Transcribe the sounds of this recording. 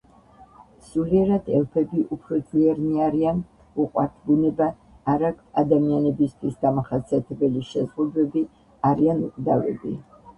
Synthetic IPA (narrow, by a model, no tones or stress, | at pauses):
suliɛɾad̪ʰɛ̰lˠpʰɛbiʔupʰɾɔd̪zliɛɾniaɾian | uqʼwa̰ɾt̪ʰbunɛbaː | ɾakʰad̪amianɛbist̪ʰwisd̪amaχasiat̪ʰɛbɛliʃɛzʁud̪ɛbi | aɾianukʼd̪avɛ̰bi